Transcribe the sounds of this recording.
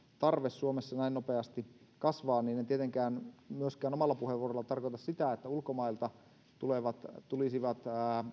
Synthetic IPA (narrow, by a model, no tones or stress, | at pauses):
t̪ɑrʋessuomesːɑnæinopeɑst̪i | kɑsʋɑːnniːnent̪iet̪eŋkæːnmyøskæːnomɑlːɑpuheʋuorolːɑt̪ɑrkot̪ɑssit̪æet̪ːæulkomɑilt̪ɑ | t̪uleʋɑt̪t̪ulisiʋɑt̪ː